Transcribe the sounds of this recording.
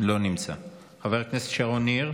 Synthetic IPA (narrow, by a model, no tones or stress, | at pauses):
lo̞nimt͡sa̰ | χaveʁknesetʃaʁoniʁ